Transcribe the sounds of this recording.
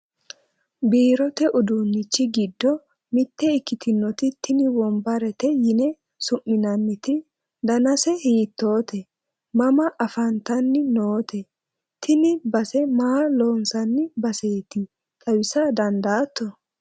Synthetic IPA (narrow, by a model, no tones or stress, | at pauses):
biːɾɔt̪ɛʔʊd̪unːɪt͡ʃːɪɡɪd̪ːɔ | mɪt̪ːɛɪkːɪt̪ɪnːɔt̪ɪt̪ɪnɪwɔmbɐɾɛt̪ɛjɪnɛ | sʊmːɪnɐnːɪt̪ɪ | d̪ɐnɐsɛhiːt̪ːo̞ːt̪ɛ | mɐmɐʔɐfɐnt̪ɐnːɪnoːt̪ʰɛ | t̪ʰɪnɪbɐsɛmaːlo̞ːnsɐnːɪbɐseːt̪ɪ | tʼɐwɪsɐd̪ɐnd̪aːt̪ːɔ